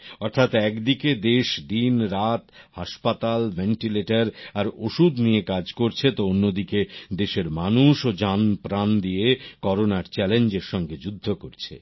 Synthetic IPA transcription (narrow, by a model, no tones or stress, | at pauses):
ɔɾt̪ʰat̪ɛkd̪iked̪eʃd̪inɾat̪haʃpat̪alvenʈileʈaɾaɾoʃud̪nijekad͡ʑkoɾt͡ɕʰet̪oonːod̪iked̪eʃeɾmanuʃod͡ʑanpɾand̪ijekɔɾonaɾt͡ɕɛlend͡ʑeɾʃɔŋɡed͡ʑud̪ʱːokoɾt͡ɕʰḛ